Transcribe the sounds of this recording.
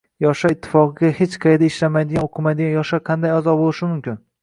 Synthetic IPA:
jɒʃaɪt̪ʰːɪ̥fɒqɨɡʲahet͡ʃqʰɑjd̪aɪʃlamajd̪ɪɡanoqʰɨmajd̪ɪɡanjɒʃaqʰɑnd̪ajazɒbolˠɪʃɪmʊmkʲɪn

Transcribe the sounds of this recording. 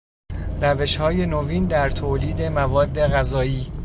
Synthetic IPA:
ræve̞ʃhɒːje̞noviːnd̪æɾt̪ʰoːliːd̪e̞mævɒːd̪ːe̞ɣæzɒːiː

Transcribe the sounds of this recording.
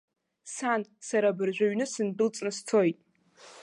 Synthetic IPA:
sansaɾabɨrʒᶣʷaɥnɨsɨndɨlt͡sʼnɨst͡sʰo̞jtʼ

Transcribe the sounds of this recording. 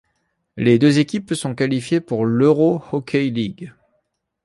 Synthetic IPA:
led̪øzekʲipsɔ̃kalifjepuʁløʁohɔkʲʰejliɡ

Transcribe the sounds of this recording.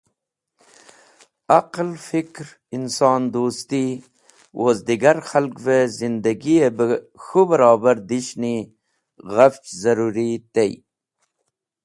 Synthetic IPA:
aqlfikɾ | insɑːnd̪uːst̪i | wʔozd̪iɡaɾxalkvezind̪aɡiebəxubəɾɑːbaɾd̪iʃni | ɣaft͡ʃzaɾuɾit̪ej

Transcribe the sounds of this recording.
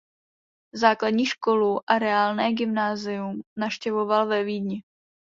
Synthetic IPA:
zaːkladɲiːʃko̞luʔaɾɛaːlnɛːɡɪmnaːzɪjumnafʃcɛvo̞valvɛviːdɲɪ

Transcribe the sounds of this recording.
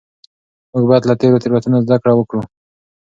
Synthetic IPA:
muɡ̚bajt̪lat̪eɾot̪iɾwat̪unazd̪akɽawəkɽu

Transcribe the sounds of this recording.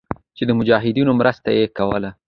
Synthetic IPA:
t͡ʃed̪əmʊd͡ʒɑɦɪd̪inomɾəst̪ajekawəla

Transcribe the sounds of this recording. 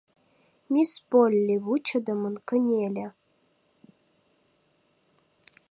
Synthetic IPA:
mʲispolʲːivut͡ʃəd̪əmənkənʲelʲe

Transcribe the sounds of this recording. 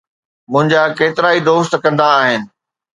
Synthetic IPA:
mʊ̃ɦɪ̃ɲd͡ʑakeːt̪ɪɾaːid̪oːst̪kɐ̃nd̪aːɦɪnɪ̆

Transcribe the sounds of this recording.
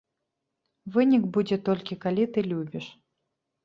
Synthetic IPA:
vɨnʲikbud͡zʲɛt̪ɔlʲkʲikalʲit̪ɨlʲubʲiʂ

